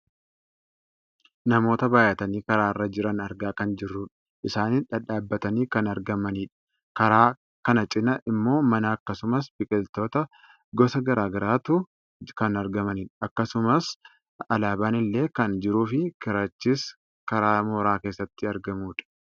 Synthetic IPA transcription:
nɐmo̞ːt̪ɐbaːjɐt̪ɐniːkɐɾaːɪrːɐd͡ʒɪɾɐnɐɾɡaːkɐnd͡ʒɪrːuːᶑɐ̥ | ʔɪsaːniːᶑɐᶑaːbːɐt̪ɐniːkɐnɐɾɡɐmɐniːᶑɐ̥ | kɐɾaː | kɐnɐt͡ʃʼɪnɐʔɪmːo̞ːmɐnaːɐkːɐsʊmɐs̬b̥ɪkʼɪlt̪o̞ːt̪ɐ | ɡɔsɐɡɐɾaːɡɐɾaːt̪ʊ | kɐnɐɾɡɐmɐniːᶑɐɐkːɐsʊmɐs | ɐlaːbaːnɪlːe̞ːkɐnd͡ʒɪɾuːfɪkɪɾat͡ʃːiːs | kɐɾaːmoːɾaːke̞ːsːɐt̪ːɪɐɾɡɐmuːᶑɐ̥

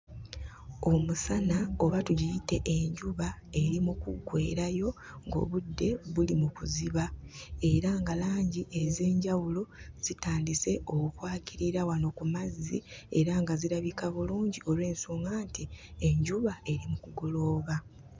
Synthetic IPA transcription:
o̞musanaoβatuɟijite̞ʔeɲɟuβae̞ɾimukuɡwe̞ːɾajo̞ | ŋɡo̞̰ːβudːe̞βulimukuziβae̞ɾaŋɡalaːɲɟiʔeze̞ːɲɟawuloz̥itaːndise̞o̞kukwaːciɾiɾawano̞kumazḭe̞ɾaŋɡaziɾaβikaβuluːɲɟio̞lwe̞ːnsuːŋɡaːntieɲɟuβae̞ɾimukuɡo̞lo̞ːβa

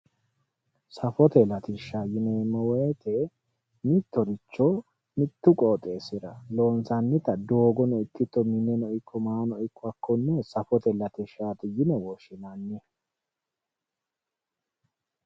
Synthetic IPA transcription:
sɐfɔt̪ɛlɐt̪ɪʃːaːjɪnɛmɐweːt̪ʰe | mɪt̪ːɔɾɪt͡ʃːɔ | mɪt̪ːʊkʼoːt̪ʼeːsɪɾɐlo̞ːnsɐnːɪt̪ɐd̪oːɡɔnɔɪt̪ːɪt̪ːɔmɪnɛnɔɪkʰːɔmaːnɔɪkʰːɔɐkːɔnːɛsɐfɔt̪ɛlɐt̪ɪʃːaːt̪ɪjɪnɛwɔʃɪnanːɪ

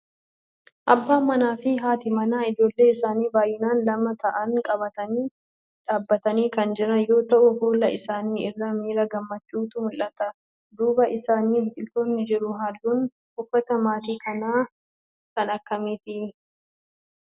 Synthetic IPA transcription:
ʔɐbːaːmɐnaːfɪɦaːt̪ɪmɐnaːɪd͡ʒo̞ːlːe̞ːɪsaːniːbaːjːɪnaːnlɐmɐt̪ʰɐʔɐŋkʼɐbɐt̪ɐniː | ᶑaːbːɐt̪ɐniːkɐnd͡ʒɪɾɐjo̞ːt̪ɐʔʊhuːlɐʔɪsaːniːʔɪrːɐmiːɾɐɡɐmːɐt͡ʃːuːt̪ʊmʊlʔɐt̪ɐ | d̪uːbɐʔɪsaːniːɡɪlt̪oːnːɪd͡ʒɪɾʊɦaːlːuːn | hʊfːɐt̪ɐmaːt̪iːkɐnaː | kɐnɐkːɐmiːt̪ɪ

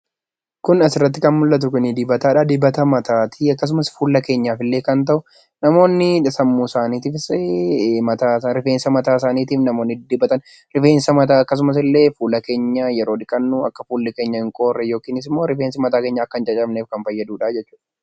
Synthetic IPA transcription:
kʊnɐsɪrːɐt̪ːɪkɐnmʊlːɐt̪̬ʊkʊnɪd̪ɪbɐt̪aːᶑaːd̪ɪbɐt̪ɐmɐt̪ʰaːt̪ʰiɐkːɐs̬ʊmɐsfuːlːɐke̞ːɲːaːfɪlːe̞ːkɐnt̪̬ɐʔʊ | nɐmo̞ːnːɪsɐmːuːsaːniːt̪iːfs | mɐt̪aːsɾɪfe̞ːnsɐmɐt̪aːsaːniːt̪iːfnɐmo̞ːnːɪd̪ɪbɐt̪ɐn | ɾɪfe̞ːnsɐmɐt̪aːɐkːɐs̬ʊmɐs̬ɪlːe̞ːfuːlɐke̞ːɲːajɛɾo̞ːd̪ɪkʼɐnːuːɐ̰kːɐfuːlːɪkeːɲːɐɪŋkʼo̞ːrːɛjo̞ːkiːnɪs̬ɪmːo̞ːɾɪfe̞ːnsɪmɐt̪aːkeːɲːɐːkːɐnt͡ʃʼɐt͡ʃʼɐbneːfkɐnfɐjːɐd̪uːᶑaːd͡ʒɛt͡ʃːuːᶑɐ

